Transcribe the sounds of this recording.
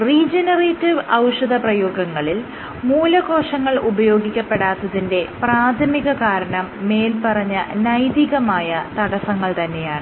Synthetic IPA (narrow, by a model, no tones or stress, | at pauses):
riːd͡ʑenɐreːtːiʋɐwʂɐðɐprɐjo̞ːɡɐŋːɐɭil | muːlɐko̞ːʂɐŋːɐɭubɐjo̞ːɡikʲːɐpːe̞ɽaːt̪ːɐðinde̞praːt̪ʰɐmiɣɐkaːɾɐɳɐmːe̞ːlpɐrɐɲːɐnɐjd̪iɣɐmaːjɐt̪ɐɽɐsɐŋːɐɭt̪ɐnːe̞jaːɳɨ